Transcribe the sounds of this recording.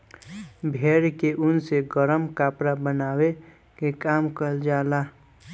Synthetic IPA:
bʱeɾkeʔunseɡəɾəmkapɾabənawe | kekamkəld͡ʒala

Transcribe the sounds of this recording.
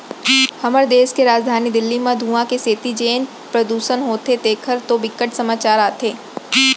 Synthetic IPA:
hɐməɾd̪eːskeɾaːd͡ʒd̪ʱaːnid̪ɪlːimãd̪ʱuːãkeseːt̪id͡ʒeːn | pɾɐd̪uːʃənɦoːt̪ʰet̪eːkʰəɾt̪obɪkːəʈsɐmaːt͡ʃaːɾaːt̪ʰeː

